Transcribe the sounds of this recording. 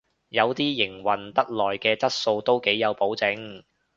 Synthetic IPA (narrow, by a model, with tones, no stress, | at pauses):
jɐ˨˧wt̪iː˥jɪ˨˩ŋwɐ˨˩nt̪ɐ˥t̚lɔː˨jkɛː˧t͡sɐ˥t̚so˧wt̪o˥wke˨˥jːɐ˨˧wpo˨˥wt͡sɪ˨˥ŋ